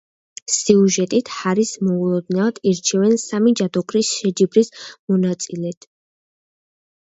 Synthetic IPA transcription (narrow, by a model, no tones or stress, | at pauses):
siuʒɛt̪ʼit̪ʰhaɾismɔulˠɔd̪nad̪̥iɾt͡ʃʰɛvɛnsamid͡ʒad̪ɔkʰʼɾisʃɛd͡ʒibɾismɔnat̪sʼilɛt̪ʰ